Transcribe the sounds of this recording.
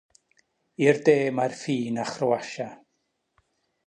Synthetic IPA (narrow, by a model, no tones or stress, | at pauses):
irdeːmarfiːnaχrəwaʃa